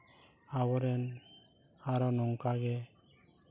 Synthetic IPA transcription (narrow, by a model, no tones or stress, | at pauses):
awɔɾɛn | aɾɔnɔŋkaɡɛ